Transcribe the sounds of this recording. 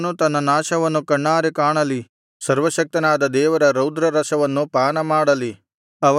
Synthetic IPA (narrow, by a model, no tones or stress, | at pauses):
nut̪ɐnːɐnaːʃɐʋɐnːukɐɳːaːɾekaːɳɐli | sɐɾʋɐʃɐk̚t̪ɐnaːd̪ɐd̪ɛːʋɐɾɐɾɐwd̪ɾɐɾɐʃɐʋɐnːupaːnɐmaːɽɐli | ɐʋ